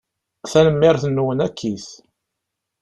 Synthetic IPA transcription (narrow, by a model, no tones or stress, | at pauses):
θænəmːɪɾθənːuwənækʰːiθ